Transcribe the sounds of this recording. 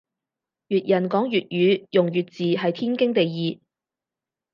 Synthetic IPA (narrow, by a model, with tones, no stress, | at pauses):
jyː˨t̚jɐ˨˩nkɔː˨˥ŋjyː˨t̚jyː˨˥jʊ˨ŋjyː˨t̚t͡siː˨ɦɐ˨jt̪ʰiː˥nkɪ˥ŋt̪e˨jːiː˨˩